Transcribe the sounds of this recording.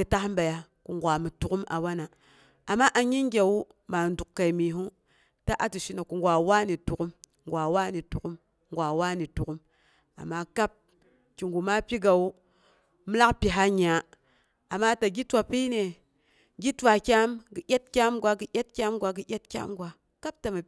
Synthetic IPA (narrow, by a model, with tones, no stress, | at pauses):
ɡi˨ta˦hm˦ba˨ja˨ | ku˨ŋɡʷa˨mi˨tu˨ku˦ma̰˨wa˦na˨ | a˨mːa˦ʔa˨ɲi˦ŋɡʲa˨wu˦ | ma˨n˦du˨kkːa˨i˨mi˨ɦu˦ | ta˦ʔa˨tu˨ʃi˦na˨ku˨ŋɡʷa˨wa˦ni˨tu˨ku˦m | ŋɡʷa˨wa˦ni˨tu˨ku˦m | ŋɡʷa˨wa˦ni˨tu˨ku˦m | a̰˨mːa˦ka˦p̚ | ki˨ŋɡu˨ma˦pi˦ɡa˨wu˦ | mi˦la˦kpi˨ɦa˦ɲ˨a˨ | a˨mːa˦ta˨ɡi˦twa˨pi˦ne˨ | ɡi˦twa˨kʲa˦mɡi˨jʲa˦t̚kʲa˦mɡʷa˦ɡi˨jʲa˦tkʲa˦mɡʷa˦ɡi˨jʲa˦t̚kʲa̰˦mɡʷa˨ | ka˦p̚ta˨ma˨